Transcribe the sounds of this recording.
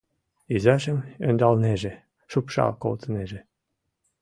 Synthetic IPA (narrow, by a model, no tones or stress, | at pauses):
yzɑʃə̆mønd̪ɑlneʒĕ | ʃupʃɑ̰lko̰lˠt̪neʒĕ